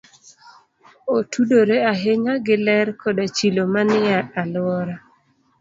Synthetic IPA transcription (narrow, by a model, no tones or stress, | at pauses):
otʰudoɾeaɦeɲaɡɪlɛɾkʰɔdat͡ʃilomanɪaalwɔɾa